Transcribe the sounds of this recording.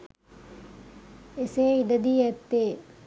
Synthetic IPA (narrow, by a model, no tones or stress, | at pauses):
eseːid̪əd̪iːɛt̪ːeː